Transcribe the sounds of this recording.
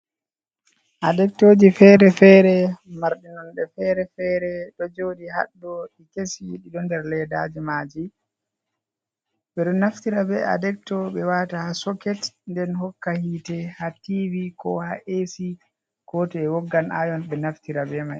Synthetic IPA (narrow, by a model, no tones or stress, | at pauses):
ʔadɛk̚toːd͡ʒifɛɾɛfɛɾɛmaɾɗinɔnɗɛfɛɾɛfɛɾɛɗɔd͡ʒodiha̰ɗːɔɗikesiɗiɗɔndɛɾlɛda̰d͡ʒimaːd͡ʒi | bɛɗɔnaftiɾabɛa̰dɛk̚tɔɓɛwaːtahasɔkɛtndɛnhɔkːahitɛhativikɔhaʔesi | ɡ̥ɔtɛɛwɔɡːanajɔnɓɛnaftiɾabɛmaj